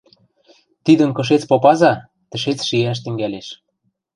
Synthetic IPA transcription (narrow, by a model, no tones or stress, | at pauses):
t̪id̪ə̆nkɤ̆ʃ̬et͡spopɑzɑ | t̪ɘ̆ʃet͡sʃijæʃ̬t̪ɘ̆ŋɡæleʃ